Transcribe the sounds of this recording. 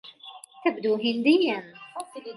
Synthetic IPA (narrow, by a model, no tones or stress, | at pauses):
t̪abd̪uːɦɪnd̪ɪjːan